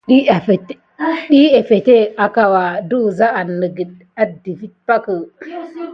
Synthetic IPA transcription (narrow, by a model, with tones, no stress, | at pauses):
ɗi˦˨fe˨t | ɗi˦e˨fe˨te˦a˨ka˨wa˨du˦˨za˦a˨nːə˨ɡi˨d | a˨di˨fi˦t̚pa˦kə˨